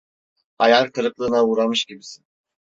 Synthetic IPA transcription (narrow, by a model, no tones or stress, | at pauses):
ajalk̪ʰɯɾɯklˠɯːnauːɾamɯʃɟibisin